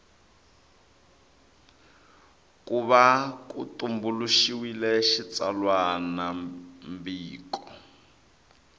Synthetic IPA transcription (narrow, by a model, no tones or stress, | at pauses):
kuβakṵtumbuluʃiwilɛʃit͡sa̰lwanambiːkɔ